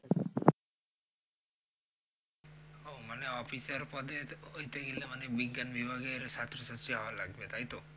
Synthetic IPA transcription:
ɦowmaneɔpisɔɾpɔd̪eoit̪eɡilemanebiɡjanbibʱaɡɔɾesat̪ɾɔsətt͡ʃiɦɔʋalaɡbet̪ʰajt̪o

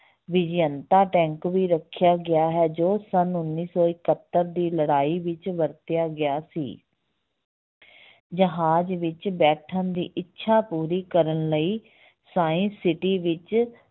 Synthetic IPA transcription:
ʋɪd͡ʒjənt̪aːʈɛ̃ːŋkʋiːɾəkʰːjaːɡɪaːɦɛːd͡ʒoːsənʊnːiːsɔːɪkət̪ːəɾd̪iːləɽaːiːʋɪt͡ʃʋəɾt̪ɪjaːɡɪjaːsḭː | d͡ʒəɦaːd͡ʒʋɪt͡ʃbɛːʈʰə̃nd̪ḭːʔɪtːʃʰaːpuːɾiːkəɾənləiː | saːĩnsɪʈiːʋɪt͡ʃ

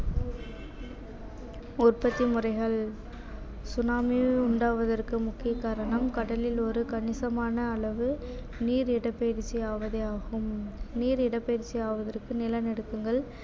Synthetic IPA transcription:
ʊrpɐt̪ːimʊrɐɪɣɐɭ | sʊnaːmiʊɳɖaːʋɐðɐrkɯmʊkːɪjɐkːaːɾɐɳɐmkɐɽɐlɪlɔɾɯkɐɳɪsɐmaːnɐːɭɐʋɯ | niːɾɪɽɐpːeːɾt͡ʃːiaːʋɐðɐjaːɣɯmniːɾɪɽɐpːeːɾt͡ʃːijaːʋɐðɐrkɯnɪlɐnɛɽɯkːɯŋɡɐɭ

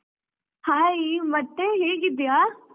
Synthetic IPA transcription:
haːimɐʈ̪ːeɦeːkɪd̪ijaː

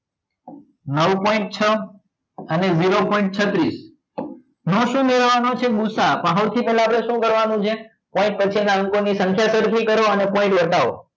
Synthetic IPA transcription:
nəwpɔĩɳʈ̚t͡ʃʰə | əneziɾopɔiɳʈ̚t͡ʃʰət̪ɾis | noʃũmeɾʋanot͡ʃʰeɡusapãɦoɾt̪ʰipɛɦlapɾeʃũkəɾʋanũt͡ʃʰe | pɔ̃ĩʈ̚pət͡ʃʰinaəŋkonisə̃ŋkʰjasəɾkʰikəɾoənepɔ̃ɪ̃ʈʋəʈao̰

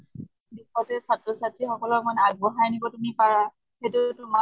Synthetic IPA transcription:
bixɔtɛsatɹɔsatɹixɔkɔlɔkmanaɡ̚bɔɦaɹnibɔtumipaɹa | xetʊtʊma

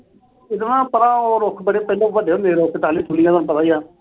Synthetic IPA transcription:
ɪt̪nãːpəɾãːoːɾʊkʰbəɽeːpɛːlõːʋəɖeːɦʊ̃nd̪eːɾoːpɪt̪aːliːt̪ʰʊlijãt̪oːnũpət̪aːijãː

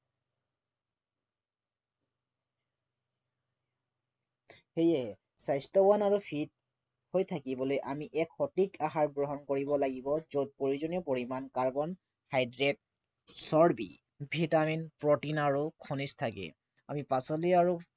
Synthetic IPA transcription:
xejɛ | sajstɔwanaɹupʰit̚ | hojtʰakibɔlojʔamiʔɛkxɔtikaɦaɹɡɹoɦɔnkoɹibɔlaɡibɔzot̚poɹizɔniɔpoɹimankaɹbɔn | hajdɹɛt̚ | sɔɹbḭ | bʱitaminpɹɔtinaɹukʰɔnistʰakɛ̰ | a̰mipasɔliaɹu

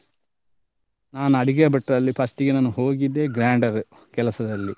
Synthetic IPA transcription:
naːnɐɽiɡeːbɐʈːɐlːipʰɐsʈiɡenɐnːuɦo̞ːɡid̪ːe̞ɡɾaːɳɖɐɾu | kɛlɐsɐd̪ɐlːi

